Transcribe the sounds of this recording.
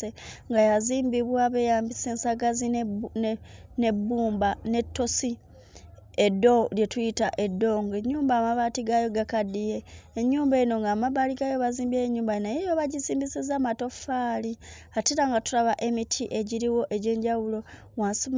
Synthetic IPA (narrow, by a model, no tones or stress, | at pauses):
eŋɡajaziːmbiβwaβe̞jaːmbise̞ːnsaɡazin | ne̞bːuːmbane̞tːo̞si | edo̞lje̞tuitaʔe̞dːo̞ŋɡeɲːuːmbaːmaβaːtiɡajo̞ɡakadije̞ːɲːuːmbeno̞ŋɡaːmaβaːliɡajo̞βaziːmbeɲːuːmbajnajejo̞βaɟiziːmbisezamato̞faːli | atiɾaŋɡatulaβaʔe̞mitʰiʔe̞ɟiɾiwo̞ʔe̞ɟe̞ːɲɟawulo̞ | waːnsi